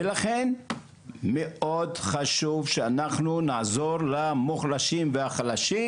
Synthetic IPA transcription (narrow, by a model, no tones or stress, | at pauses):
velaχen | meʔo̞dχaʃuvʃeanaχnunazo̞ʁlamoχlaʃimveaχalaʃi